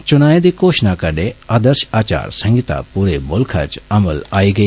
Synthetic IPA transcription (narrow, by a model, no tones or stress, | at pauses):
t͡ʃʊnaːẽd̪ikoːʃnakəɖeaːd̪əɾʃaːt͡ʃa̰ːɾsə̃ŋɡit̪a̰puːɾebʊlkʰa̰t͡ʃɐməlaːiːɡɐi